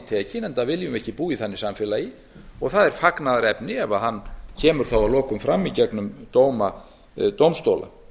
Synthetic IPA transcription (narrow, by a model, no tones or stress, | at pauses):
t̪ʰɛːcɪnɛnt̪avɪljʏmɛhcɪpuːiθanːɪsamfɛlai | ɔɣθaðɛɾ̥faknaðaɾɛpnɪɛvaɦanːcʰɛːmʏɾ̥θowaðlɔːkʏmfɾamːicɛknʏmt̪oːwma | t̪owmst̪owla̰